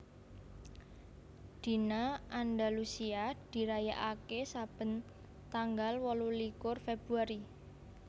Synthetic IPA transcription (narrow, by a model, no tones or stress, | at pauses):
d̪̥i̤naandalusiad̪̥i̤ɾajaʔakesab̥ə̤n | t̪aŋɡalwɔlulikʊrfeb̥uaɾi